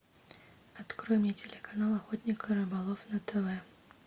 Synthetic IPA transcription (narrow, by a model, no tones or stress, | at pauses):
at̪kɾɔmʲjitʲelʲekʰanalˠɐxɔt̪ʲnʲikəɾɨbalˠɔfnɐt̪ʰəvɛ